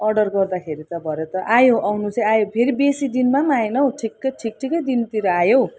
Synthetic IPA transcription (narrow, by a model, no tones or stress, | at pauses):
ʌrɖʌrɡʌrd̪akʰeɾit̪ʌbʱʌɾet̪ʌʔajoʔawnut͡sʌajopʰeɾibesid̪inmamaenʌoʈʰikːʌjʈʰik̚ʈʰikʌjd̪int̪iɾʌajo